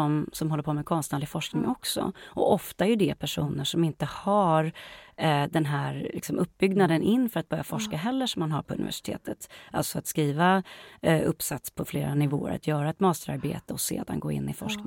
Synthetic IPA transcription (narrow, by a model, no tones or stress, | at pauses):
ɔmsɔmɦɔlːəɾpʰoːmɛkʰɔnst̪naːɖ̪lɪɡfɔʂknɪŋɔksɔ̰ʔɔʔɔft̪aɛɾjɵɖ̪ɛpʰæʂuːnəʂɔmɪnt̪əhaɾ | d̪ɛnɦæɾlɪksɔmʔɵp̚ːbʏɡnad̪ənʔɪnːfœɾat̪̚bœɾjafɔʂkaɦɛlːəʂɔmːanɦaɾpʰɔɵ̰nɪ̰væ̰ʂɪ̥t̪ʰḛːt̪ʰət̪ʔalt̪sɔat̪skɾiːva | ɵpːsat̪spʰɔfleːɾanɪvo̰ːə̰ɾa̰t̪ʰjœːɾaɛt̪mɑːst̪əɾa̰ɾbḛːt̪əɔsḛːd̪a̰nɡoːɪ̰nːɪfɔʂknɪ